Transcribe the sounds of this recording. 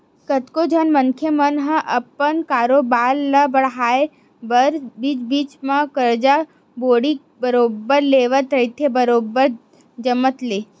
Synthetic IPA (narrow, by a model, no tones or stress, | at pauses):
kət̪kod͡ʒʱənməŋkʰjəmənɦə̃ʔɐpənkaːɾoːbaːlːəbəɽɦaːe | bəɾbiːt͡ʃbiːt͡ʃmãkəɾd͡ʒa | boːɽi | bəɾoːbəɾleːʋət̪ɾəit̪ʰebəɾoːbəɾ | d͡ʒəmət̪leː